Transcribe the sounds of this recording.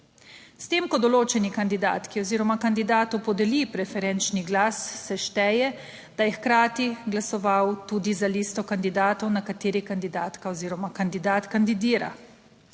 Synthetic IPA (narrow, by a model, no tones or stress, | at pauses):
st̪eːmkɔd̪ɔloːt͡ʃɛnikand̪id̪a̰ːt̪kiɔziːɾɔmakand̪id̪aːt̪ɔowpɔd̪ɛlipɾɛfɛɾɛnt͡ʃniɡlaːsːɛʃt̪ɛːjɛ | d̪̥ajɛxkɾaːt̪iɡlasɔʋawt̪uːd̪izalist̪ɔkand̪id̪aːt̪ɔwnakat̪eːɾikand̪id̪aːt̪kaɔziːɾɔmakand̪id̪aːt̪kand̪id̪iːɾa̰